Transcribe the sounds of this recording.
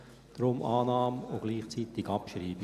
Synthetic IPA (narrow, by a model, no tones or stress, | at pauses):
d̥ɾʊmʔɑːnɑːmoɡ̥liːχt͡siːt̪ɪɡɑpʃriːb